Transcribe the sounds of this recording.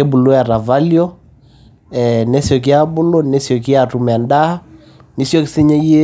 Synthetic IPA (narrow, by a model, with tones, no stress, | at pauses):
e˦bu˨lo˦ja˨ɾa˨va˦ljɔ˦ | ɛ˨ne˦sjɔ˨k̬i˦a˦bʊ˦lo˦ne˦sjɔ˨k̬i˦a˦˨tu˨mɛ˨a˨nda˦ | ni˦sjo˦ksi˦ɲe˦je˦